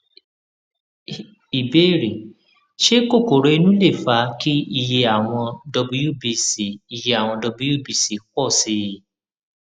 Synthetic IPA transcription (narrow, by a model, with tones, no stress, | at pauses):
i˨be˦˨ɾi˨ | ʃe˦ko˦˨ko˨ɾo˨˧i˧nũ˦le˦˨fa˨˦ki˦i˦˧je˧a˦˨w̃ɔ̃˧dɔ˧bu˧˦ju˦˨bi˧si˨˦i˦˨je˧˦a˨w̃ɔ̃˧dɔ˧bu˦ju˦˨bi˧˨si˨˦kɔ˦˨si˨˦˨